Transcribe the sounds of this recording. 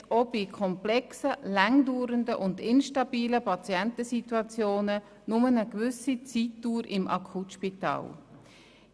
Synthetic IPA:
obikʰɔmplɛksəlæŋduːɾəndəʔʊndɪnʃtɑb̥iːləpʰɑt͡sjɛntəsituɑt͡sjoːnə | nʊmənəkvʏsit͡siːtːuːɾɪmʔɑ̰kʰutʃpitɑ̰ːl

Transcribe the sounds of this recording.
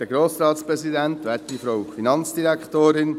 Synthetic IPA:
d̥əɡɾoːsɾɑːt̪spɾɛsid̪ænt̪ʋæːɾtifɾowfinɑnt͡sd̥̪iɾækχt̪oːɾɪn

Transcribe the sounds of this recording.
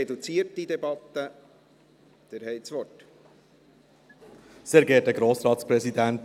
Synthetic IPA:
ɛd̪ut͡siːəɾtːid̪ɛbɑt̪ːə | d̪̥əɾhɛɪsʋɔt | seːɾɡɛːtdəɡɾoːsɾɑːt̪spɾɛsid̪ænt

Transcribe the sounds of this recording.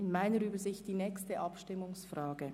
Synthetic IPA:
ɪnmaɪnəɾyːbəzɪçt̚d̥iːnɛːkstəʔɑpʃtɪmʊŋsfraːɡə

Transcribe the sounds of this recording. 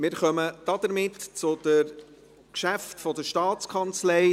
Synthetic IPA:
mɪːɾχœməd̪̥ɑd̪əɾmɪtt͡sʊd̥̪ə | kʃæftfɔd̪əʃtɑːt͡skʰɑnt͡slɛɪ

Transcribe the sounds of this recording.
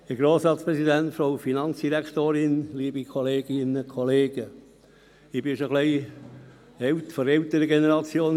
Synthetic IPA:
əɡɾoːsɾɑːt̪spɾɛsidæntfɾowfinɑnt͡sd̥iɾækʰt̪oːɾɪnliːbikʰɔleːɡ̥ɪnəkʰɔleːɡ̥ə | ɪbɪʃoɡ̥lɛɪ | ɛlt̪fɔɾɛlt̪əɾəɡenəɾɑt͡sjoːn

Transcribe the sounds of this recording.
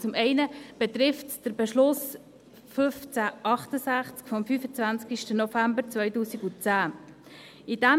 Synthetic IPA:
t͡sʊmɛɪnəb̥ɛt̪ɾɪftd̥əɾbɛʃlʊs | fʏft͡sæʔɑχtəsæχt͡skfɔmfyːfət͡svænt͡skiʃtənɔfæmbəɾt͡svœʏtuːsiɡut͡sæː | id̥ɛ

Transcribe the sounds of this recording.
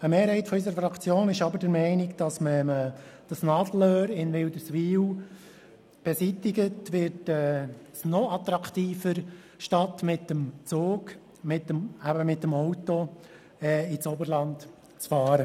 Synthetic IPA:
əmeːɾhɛɪtfɔys̬əɾəfɾɑkʰt͡sjoːnɪʃɑbəɾdəɾmɛɪnɪkd̥ɑsməməd̥ɑsnɑdəl̩øːɾɪnʋɪldəsʋiːw | b̥ɛsitɪɡətʋɪɾtɛː | snɔɑt̪ɾɑkt̪iːfəɾ | ʃtɑtmɪtəmt͡soːk | mɪt̪əmæbəmɪtːəmɔwtɔ | ɛːit͡sobəɾlɑnt | t͡sfɑːɾə

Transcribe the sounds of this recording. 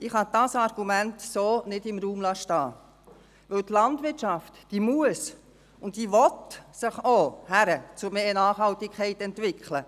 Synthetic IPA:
ɪχhɑd̥ɑsɑɾɡ̥umæntsoːnɪdɪmɾuːmlɑʃtɑː | ʋɵwtlɑndʋɪtʃɑftd̥iːmuəs | ʊntdiːʋɔtsəχohæɾət͡sʊɾmeːnɑːχhɑltɪkʰɛɪtɛntʋɪkʰlə

